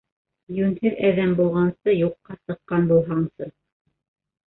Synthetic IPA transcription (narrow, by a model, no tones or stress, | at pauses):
jʉnhɘðæðæmbulˠʁɑnsɤjuqːɑsɤ̆qːɑnbulˠɦɑɴsɤ